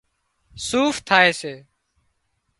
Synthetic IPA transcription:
suːft̪ʰaːeːseː

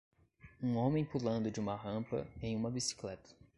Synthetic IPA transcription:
ũõmẽj̃pulɐ̃nd̪ʊd͡ʒɪũmɐɦɐ̃pɐ̰ẽj̃ũmɐbisi̥klɛt̪ʰɐ̥

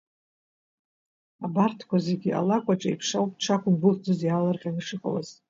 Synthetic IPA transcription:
abartʰkʷazeɡʲiʔa̰lakʷʼaʈ͡ʂʼaḭjpʰʂawpʼʈ͡ʂʰakʷʰʊɡʷʊχd͡zɨzjalarqʲʼanɨʂɨqʼa̰wa̰z̥

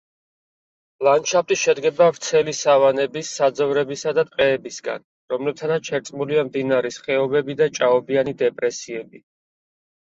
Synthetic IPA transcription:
lˠanʃʰap̚t̪ʼiʃɛd̪ɡɛbavɾt̪sʰɛlisavanɛbisːad̪zɔvɾɛbisad̪at̪ʼqʼɛːbisɡa̰n | ɾɔmlɛb̚t̪ʰanat̪ʃʰɛɾt̪sʼmuliamd̪inaɾɛsχɛɔbɛbid̪at͡ʃʼaɔbianid̪ɛpʼɾɛsiɛbi

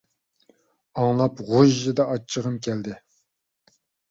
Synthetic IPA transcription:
ɑŋlˠɑpʁoʒːɨd̪ɑʔɑt͡ʃʰːəʁəmkʲʰɛld̪ɪ

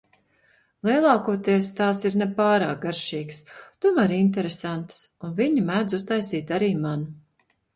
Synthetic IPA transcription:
lˠiɛlˠɑːkuɔt̪iɛst̪aːsiɾnɛpaːɾaːk̚ɡaɾʃiːɡst̪umæɾint̪̬eɾesant̪sunviɲimæːd̪zust̪ajsiːt̪aɾiːman

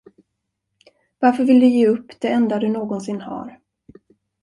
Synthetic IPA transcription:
vaɾfœɾvɪld̪ɵjeːɵpːd̪̥ɛɛnd̪ad̪ɵnoːɡɔnsɪnːha̰ːɾ

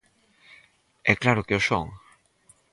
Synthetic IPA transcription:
ɛklaɾʊkeoso̰ŋ

